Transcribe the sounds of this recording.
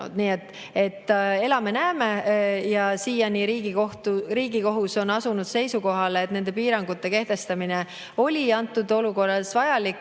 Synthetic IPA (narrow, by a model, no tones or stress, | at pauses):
ṵd̪niːe̞t̪ː | e̞t̪ːˑe̞lɑme̞næːme̞jɑsiːjɑniɾiːɡioht̪uriːɡ̥iko̞ɦuso̞nɑsunud̪̥se̞jsuko̞ɦɑleːt̪ne̞nd̪̥e̞piːɾɑŋɡut̪ːe̞ke̞ht̪e̞st̪ɑmine | o̞lʲiɑnt̪ːˑud̪o̞luko̞rːɑsvɑjɑlikː